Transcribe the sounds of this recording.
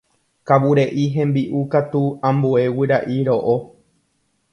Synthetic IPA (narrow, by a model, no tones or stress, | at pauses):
kawuɾeʔiɦẽ̞mbiʔukat̪uãmbue̞wiɾaʔiɾo̞ʔo